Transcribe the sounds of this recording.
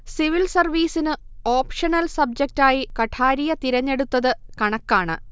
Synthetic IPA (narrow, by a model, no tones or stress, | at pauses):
siʋilsɐrʋiːsinɨ | oːpʂɐnɐlsɐb̚d͡ʑɐk̚taːjikɐʈʰaːɾijɐt̪iɾɐɲːe̞ɽut̪ːɐðɨkɐɳɐkːaːɳɨ̰